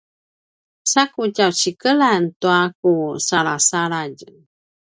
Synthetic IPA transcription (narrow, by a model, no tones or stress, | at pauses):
sakucawt͡ɕikəlantuakusaɾasaɾaɟ